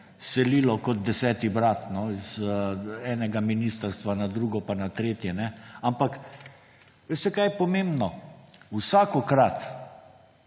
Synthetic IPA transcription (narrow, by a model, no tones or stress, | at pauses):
sɛliːlɔkɔd̪̚d̪ɛsɛːt̪ibɾaːt̪nɔiz | ɛːnɛɡaminiːst̪əɾst̪ʋanad̪ɾuɡɔpanat̪ɾeːt̪jɛnɛampak | ʋest̪ɛkajɛpɔmembnɔusaːkɔkɾat̪